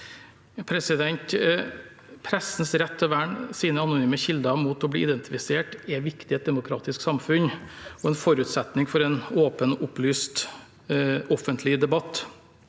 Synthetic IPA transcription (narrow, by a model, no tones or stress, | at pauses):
pʰɾɛsɪd̪ɛnt̪ | pʰɾɛsn̩sɾɛt̪ʰːɔʋæːɳsiːnəɑnʊnyːməçɪld̪ɑmuːt̪ɔblḭːɪd̪ɛnt̪ɪfɪseːʈɛʋɪkt̪ɪɛt̪̚d̪ɛmʊkʰɾɑ̰ːt̪ɪsksɑmfʉn | ɔɛnfɔɾʉːt̪sɛt̪nɪŋfɔɾɛnoːpənʔʊplyːst̪ | ɔfənt̪ʰlɪd̪ɛbɑt̪ː